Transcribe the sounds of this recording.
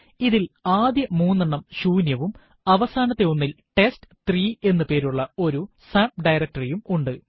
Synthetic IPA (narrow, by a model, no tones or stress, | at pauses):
iðilaːd̪jɐmuːnːɐɳːɐmɕuːnjɐʋum | ɐʋɐsaːnɐt̪ːe̞onːil | ʈe̞stɨ̥t̪riːe̞nːɨpe̞ːɾuɭːɐo̞ɾu | saːmp̚ɖɐjrɐk̚tɐrijumuɳɖɨ